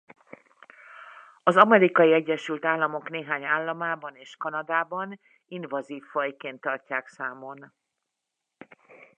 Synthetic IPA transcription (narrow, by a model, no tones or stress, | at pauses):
ɒzɒmɛɾikɒjiɛɟːɛʃylt̪aːlːɒmo̞kneːɦaːɲaːlːɒmaːbɒneːʃkɒnɒd̪aːbɒn | invɒziːfːɒjkeːnt̪ːɒrcaːksaːmo̞n